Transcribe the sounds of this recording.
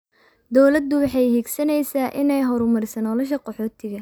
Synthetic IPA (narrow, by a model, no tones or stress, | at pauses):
d̪ɔwlɐd̪ːʊwɑħɑjhiːɡsɐnɛjsaːʔɪnɛjɦɔɾʊmɐɾɪsɐnɔlɔʃ̬ɐqɔħɔːt̪ʰɪɣɐ